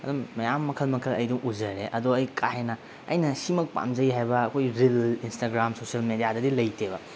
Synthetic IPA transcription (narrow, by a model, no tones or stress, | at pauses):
ɐdumːɐjamːɐkʰɐlmɐkʰɐlɐ̰jduŋʔud͡ʒɐɾeʔɐdoɐjkʰaɦenɐ | ɐ̰jnɐsimɐk̚pa̰md͡ʒɐjɦajbɐːkʰojɾilinstaɡɾamsosiɐlmedijadɐdilɐjteβɐ